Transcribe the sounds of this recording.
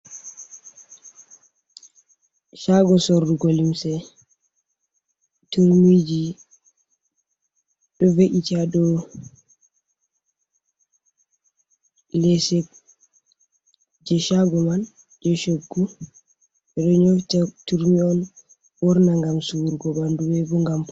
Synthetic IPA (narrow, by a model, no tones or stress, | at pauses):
ʃaɡɔsoɾduɡolimsɛ | tuɾmid͡ʒi | ɗɔveʔitaɗɔ | lɛsɛ | d͡ʒɛʃaɡɔman | d͡ʒɛʃoɡːu | ɛɗɔɲoftatuɾmiɔn | wɔɾnaŋɡamsuɾɡɔbanduwɛbɔŋɡamp